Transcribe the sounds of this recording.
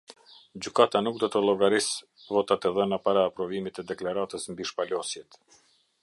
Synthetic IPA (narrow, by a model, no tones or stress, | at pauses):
d͡ʑykat̪anuk̚d̪ɔt̪əlˠɔɡaɾis | vɔt̪at̪ɛðənapaɾaːpɾɔvimit̪ɛd̪ɛklaɾat̪əsmbiʃpalɔsjɛt̪